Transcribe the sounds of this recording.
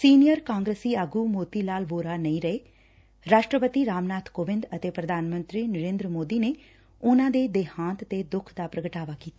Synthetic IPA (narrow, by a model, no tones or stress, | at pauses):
siːnijəɾkãːŋɡɾesiːaɡuːmoːt̪iːlaːlʋoːɾaːnəĩːɾəeː | ɾaːʃʈɾəpət̪iːɾaːmnaːt̪ʰkoːʋɪ̃nd̪ət̪eːpɾəd̪ʱaːnmə̃nt̪ɾiːnəɾẽːnd̪ɾəmoːd̪iːneː | ʊnãːd̪eːd̪eːhãːnt̪ət̪eːd̪ʊkʰd̪aːpɾəɡəʈaːʋaːkiːt̪a